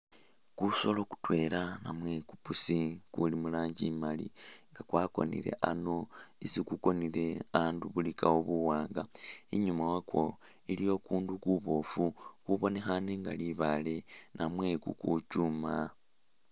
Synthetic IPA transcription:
kuso̞lo̞ku̥twe̞ːlana̰mwe̞ku̥pusikulimulaːɲɟimalḭŋɡakwaːko̞̰nḭɾḛʔano̞isikuko̞nile̞aːnduβulikaoβuwaːŋɡaiɲumawakwo | ilijo̞kuːndukuβo̞fukuβo̞ne̞xaneŋɡa̰liβale̞nʔamwe̞kukucuma

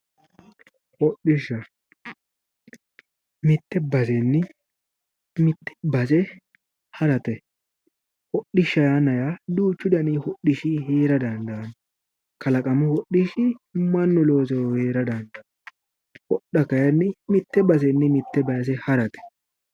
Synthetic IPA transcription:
hɔɗːɪʃːɐ | mɪt̪ːɛbɐsɛnːɪ | mɪt̪ːɛ̥bɐs̬ɛ | hɐɾɐt̪ɛ | hɔɗːɪʃːɐjaːnɐjad̪uːt͡ʃːʊd̪ɐnihɔɗɪʃɪɦeːɾɐd̪ɐnd̪ɐn | kɐlɐkʼɐmʊhɔɗːɪʃɪmɐnːʊlo̞ːsɔheːɾɐd̪ɐnd̪ɐ | wɔɗːɐkɐjɐnːɪmɪt̪ːɛbɐs̬ɛnːɪmɪt̪ːɛbɐjɐs̬ɛhɐɾɐt̪ɛ̥

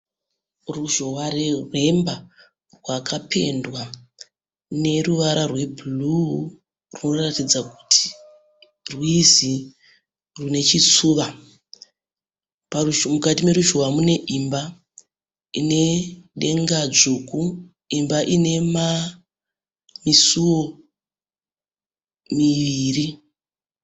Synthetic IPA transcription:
ruʒo̞waɾerwe̞mba | rwakʰapʰe̞̰ndwa | ne̞ruʋaɾarwe̞bʱulu | runo̞ratid͡zaku̥tʰi̥ | rwizi | rune̞t͡ʃit͡suːʋa | parumukatime̞ɾuʒowamune̞ʔimba | ine̞ɗe̞ŋɡad͡zuku | imbaʔine̞ma | misuwo̞ | miʋiːri

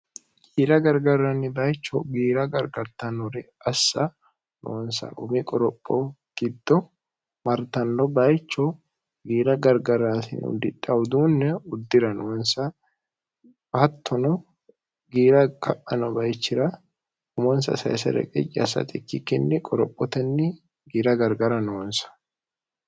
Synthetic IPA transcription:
ɡ̥iːɾɐɡɐɾɡɐɾːɐnːɪbɐjt͡ʃːɔɡiːɾɐɡɐɾɡɐɾt̪ɐnɔɾɪ | ɐsːɐ | no̰ɔnsɐ̰ʔʊmɪkʼɔɾɔpʼːɔ | ɡ̥ɪd̪ːɔ | mɐɾt̪ɐnːɔbɐjt͡ʃːɔ | ɡiːɾɐɡɐɾɡɐɾːaːsɪn̰ʊ̰d̪ːɪt̪ʼːɐʊd̪uːnːɛʊd̪ːɪɾɐnoːnsɐ | bɐt̪ʰːɔnɔ | ɡiːɾɐkʰɐʔɐnɔbɐjt͡ʃːɪɾɐ | ʊmɔnsɐ̰sɐ̰jsɛ̰ɾɛ̰kʼɛ̰t͡ʃʼːɪɐsːɐ̰t̪ʼɪkːɪkːɛnːɪkʼɔɾɔpʼːɔt̪ɛnːɪ | ɡiːɾɐɡɐɾɡɐɾɐnoːnsɐ̥

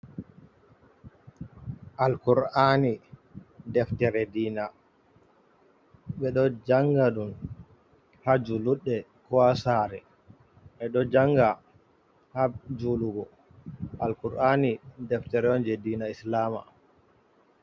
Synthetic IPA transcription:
ʔalkuɾani | dɛftɛɾɛdiːna | ɓɛɗɔd͡ʒaŋɡaɗun | had͡ʒuluɗːɛkɔasaɾɛ̰ | ɓɛɗɔd͡ʒaŋɡa | had͡ʒuluɡɔ | ʔalkuɾʔanidɛftɛɾɛɔnd͡ʒɛdiːnaislama̰

